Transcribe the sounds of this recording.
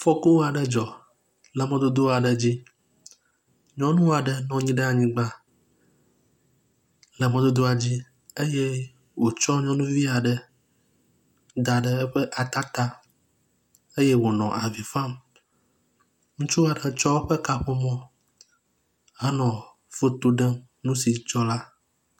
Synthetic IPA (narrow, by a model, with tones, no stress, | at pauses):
fɔ˦ku˦wa˨ɖə˦d͡ʒɔ˨ | lə˨mɛ̃˦d̪o˦d̪o˦a˨ɖə˨d͡ʑi˦ | ɲɔ̃˦nũ˦a˨ɖə˦nɔ̃˨ɲĩ˦ɖe˦a˨ɲĩ˦ɡ͡ba˦ | lə˨mẽ˨d̪o˦d̪o˦a˨d͡ʑi˦ | e˦je˦ | wo˨t͡ʃɔ˦ɲɔ̃˦nũ˦vi˦a˨ɖə˨ | d̪a˨ɖə˦ɛ˦ɸɛ˦ʔa˨t̪a˦t̪a˦ | e˦je˦wo˨nɔ̃˨ʔa˨vi˨fã˦m | ŋũ˦t͡ʃu˦a˨ɖe˨t͡ʃɔ˦wo˦ɸe˦ka˦ɸo˦mɔ̃˦ | a˦nɔ̃˨ | fo˦t̪o˦ɖɛ˦m | nũ˦si˨t͡ʃɔ˦la˦